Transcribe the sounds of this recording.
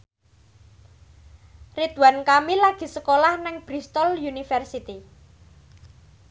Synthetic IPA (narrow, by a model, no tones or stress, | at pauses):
rid̪̥wankamilaɡ̥i̤səkolahnɪŋb̥ɾist̪ɔljunifɛrsit̪i